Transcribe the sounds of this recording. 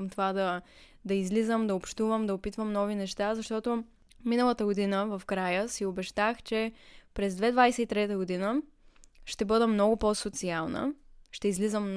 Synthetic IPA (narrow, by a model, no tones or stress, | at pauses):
mt̪ovad̪ɐ | d̪ɐizlizəmd̪ɐopʃt̪uvəmd̪ɐopit̪vəmnɔvinɛʃt̪azɐʃt̪ɔt̪o | minəlˠət̪əɡod̪inəvɐfkɾajəsiobɛʃt̪axt͡ʃɛpɾɛzd̪vɛd̪vajsɛit̪ɾɛt̪əɡod̪inə | ʃt̪ɛbɤd̪ɛmnɔɡʊposot̪sialˠnə̰ʃt̪ɛizlizəm